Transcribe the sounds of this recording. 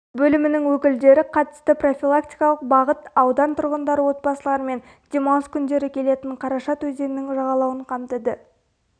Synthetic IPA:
bɵlɪmɪnɪŋwɵkʲɪld̪e̞ɾɪqʰɑt̪ə̥st̪əpro̞fʲilˠakt̪ʲi̥jkɑlˠəq̚bɑʁət̪ɑwd̪ɑnt̪ʰʊɾʁənd̪ɑɾəwo̞t̪̚bɑsəlˠɑɾəme̞n | d̪̥ʲemɑwskʲʰʏnd̪e̞ɾɪkʲʰe̞le̞t̪ɪɴqʰɑɾɑʃɑt̪ʰwɵze̞nnɪŋʒɑʁɑlˠɑwəɴqʰɑmt̪əd̪ə

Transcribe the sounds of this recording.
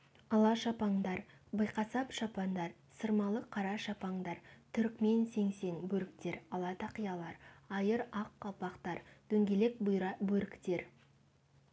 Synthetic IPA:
ɑlˠɑʃɑpɑɴd̪ɑɾ | bəjqɑsɑpʃɑpɑnd̪ɑɾ | səɾmɑlˠəqʰːɑɾɑʃɑpɑɴd̪ɑɾt̪ʰʏɾkme̞nse̞ŋse̞ŋbɵɾɪkt̪e̞ɾɑlˠɑt̪ɑqijɑlˠɑɾɑjəɾɑqːɑlˠpɑqt̪ɑɾd̪̥ʰɵŋɡʲe̞le̞k̚bjɾɑbɵɾɪkt̪e̞ɾ

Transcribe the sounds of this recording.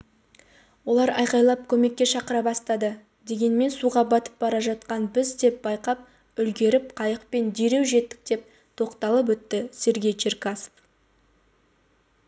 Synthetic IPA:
wo̞lˠɑɾɑjqɑjlˠɑp̚kʲʰɵme̞kʲːe̞ʃɑqəɾɑbɑst̪ɑd̪ə | d̪e̞ɡʲe̞nme̞nsuʁɑbɑt̪ə̥p̚bɑɾɑʒɑt̪qɑnbɪzd̪e̞p̚bɑjqɑp̚ | ʏlɡʲe̞ɾɪp̚qʰɑjəqpe̞nd̪eɾe̞wʒe̞t̪ːɪ̥k̚d̪e̞p̚ | t̪ʰo̞qt̪ɑlˠəp̬wɵt̪ːɪse̞ɾɡʲe̞jt͡ʃʰerkaso̥f

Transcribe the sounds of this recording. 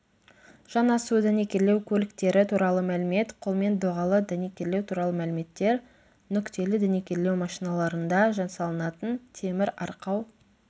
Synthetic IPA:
ʒ̥ɑnɑsud̪ænekʲe̞ɾle̞wkʲʰɵlɪkt̪e̞ɾɪt̪ʰuɾɑlˠəmælɪme̞t̪qʰolˠme̞nd̪oʁɑlˠəd̪æne̞kʲe̞ɾlewt̪ʰuɾɑlˠəmælɪme̞t̪ːe̞ɾ | nʏkt̪e̞lɪd̪ænekʲe̞ɾlːe̞wmɑʃijnɑlˠɑɾənd̪ɑʒɑnsɑlˠənɑt̪ənt̪ʰe̞mɪɾɑɾqɑw

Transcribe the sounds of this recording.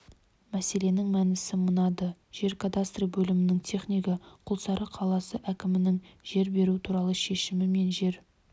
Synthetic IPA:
mæse̞le̞nɪŋmænɪsɪmənɑd̪əʒ̥e̞ɾkʰad̪ast̪rijbɵlɪmɪnɪŋt̪ʲʰe̞χnʲijkəqʰʊlˠsɑɾʔəqʰɑlˠɑsəʔækʲɪmɪnɪŋʒ̥e̞ɾbe̞ɾuɪt̪ʰuɾɑlˠəʃe̞ʃɪmɪme̞nʒe̞ɾ

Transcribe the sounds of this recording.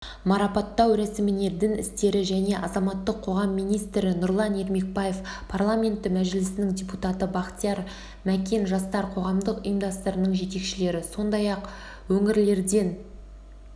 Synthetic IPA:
mɑɾɑpɑt̪ːɑwɾæsɪmɪne̞d̪ɪnɪ̰st̪e̞ɾɪʒæne̞ʔɑzɑmɑt̪ːəqʰːo̞ʁɑmːijnijst̪ɾɪnʊɾlˠɑne̞ɾme̞k̚baje̞fpʰarlˠamʲe̞nt̪ːɪmæʒɪlɪsɪnɪŋdʲeput̪ɑt̪əbɑqt̪ijɑɾ | mækʲe̞nʒɑst̪ɑɾqʰo̞ʁɑmd̪əqʊjəmd̪ɑst̪əɾənəɴʒe̞t̪e̞kʃɪle̞ɾɪso̞nd̪ɑjɑq | wɵŋɪɾle̞ɾd̪e̞n

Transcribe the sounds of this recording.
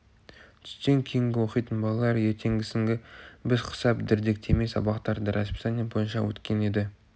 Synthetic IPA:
t̪ʰʏ̥st̪e̞ŋkʲʰe̞jɪŋɡʲɪwo̞qijt̪ənbɑlˠɑlˠɑɾje̞ɾt̪ʰe̞ŋɡʲɪsɪŋɡʲɪbɪzqʰə̥sɑpd̪ɪɾd̪e̞k̚t̪ʰe̞me̞jsɑ̰bɑqt̪ɑɾd̪əɾʔaspi̥t̪ɑnijbo̞jənʃɑwɵ̰t̪kʲe̞ne̞d̪ɪ

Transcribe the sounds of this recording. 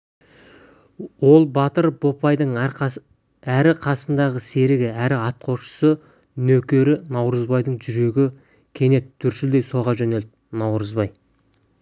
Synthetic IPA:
wo̞lˠbɑt̪əɾbo̞pɑjd̪əɴ | æɾɪqʰɑsənd̪ɑʁəse̞ɾɪɡʲɪæɾɪɑt̪̚qʰo̞ʃə̥sə | nɵkʲe̞ɾɪnɑwɾəzbɑjd̪əɴʒʏɾe̞ɡʲɪ | kʲʰe̞ne̞t̪d̪̥ʏɾsɪld̪e̞jso̞ʁɑʒɵne̞ld̪ɪnɑwɾəzbɑj

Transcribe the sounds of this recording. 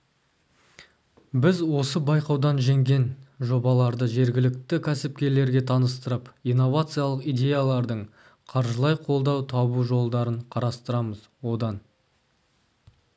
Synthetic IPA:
bɪzwo̞səbɑjqɑwd̪ɑnʒe̞ŋɡʲe̞nʒo̞bɑlˠɑɾd̪əʒe̞ɾɡʲɪlɪk̚t̪ɪkʲʰæsɪp̚kʲe̞ɾle̞ɾɡʲe̞t̪ʰɑnəst̪əɾəpijnːo̞vat̪sɨjalˠəqijd̪ʲe̞jalˠɑɾd̪əɴ | qʰɑɾʒəlˠɑjqʰo̞lˠd̪ɑwt̪ʰɑbuʒo̞lˠd̪ɑɾəɴqʰɑɾɑst̪əɾɑməz | wo̞d̪ɑn

